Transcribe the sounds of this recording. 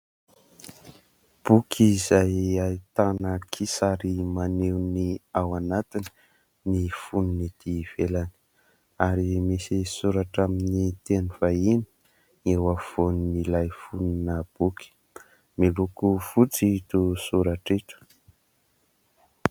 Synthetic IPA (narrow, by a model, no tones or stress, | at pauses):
b̥ukʲʰizajait̪anəkʰisaɾimanewniawanat̪ini̥ | nifuninid̪̥iv̥elani̥ | aɾimisisuɾaʈ͡ʂaminit̪enuvaini̥ | ŋewafonnilajfuninəb̥ukʲi̥ | milukuv̥ut͡sit̪usuɾaʈ͡ʂiʈ͡ʂə̥